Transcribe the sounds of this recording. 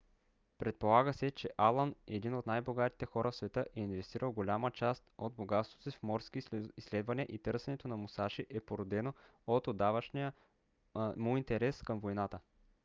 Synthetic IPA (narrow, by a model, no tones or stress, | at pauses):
pɾɛt̪̚polˠaɡəsɛt͡ʃɛʔalˠənɛd̪inot̪najboɡat̪i̥t̪ɛxɔɾʔəfsvɛt̪ɤʔɛinvɛst̪iɾəlˠɡolʲamət͡ʃast̪od̪̚boɡat̪st̪vot̪sifmɔɾsk̟iisːlɛd̪vɐniəʔit̪ɤɾsɛnɛt̪onɐmʊsaʃiʔɛpoɾod̪ɛnoot̪od̪avɐʃnijə | mʊint̪ɛɾɛskəmvojnat̪ə